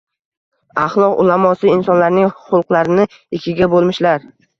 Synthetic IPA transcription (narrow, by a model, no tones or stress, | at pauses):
ɑχlˠɒqʊ̰lamɒsɪɪnsɒnlaɾnɪŋχʊlˠqlˠaɾɪnɪ | ɪkʲʰɪɡʲabolˠmɪʃlaɾ